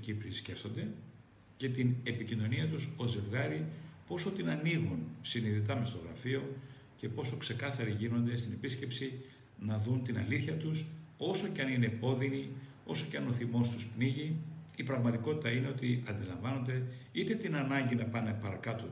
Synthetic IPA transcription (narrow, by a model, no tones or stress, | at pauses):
cipɾisce̞ft̪o̞nd̪e̞ | ce̞t̪ine̞picino̞niɐt̪uso̞ze̞vɣɐɾipo̞so̞t̪inɐniɣunsiniðit̪ɐmest̪o̞ɣɾɐ̰fio̞ | ce̞po̞so̞kse̞kɐθɐɾiʝino̞nd̪e̞st̪ine̞pisce̞psi | nɐðunt̪inɐ̰liθçɐt̪uso̞so̞ceɐnine̞po̞ðini | o̞so̞ceɐno̞θimo̞st̪uspniʝiːpɾɐɣmɐt̪iko̞t̪i̥t̪ɐine̞o̞t̪iɐnd̪ilɐɱvɐno̞nd̪e̞ | it̪e̞t̪inɐnɐɲɟinɐpɐnepɐɾɐkɐt̪o